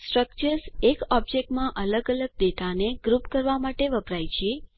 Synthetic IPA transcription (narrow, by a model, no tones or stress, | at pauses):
sʈɾək̚t͡ʃəɾsekɔb̚d͡ʒek̚ʈmãʔələɡələɡ̚ɖeʈ̪aneɡɾupkəɾʋamaʈeʋəpɾajt͡ʃʰe